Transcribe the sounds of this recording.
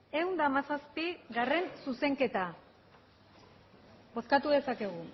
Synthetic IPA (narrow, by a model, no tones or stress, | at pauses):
e̞wnd̪amasaspiɣare̞nsuse̞ŋke̞t̪a | bo̞skat̪uðe̞sake̞ɣ̞u